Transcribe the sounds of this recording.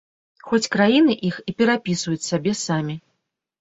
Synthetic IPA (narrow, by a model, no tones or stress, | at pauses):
xɔt͡sʲkɾajinɨʔixipʲɛɾapʲisvujut͡sʲsabʲɛsamʲi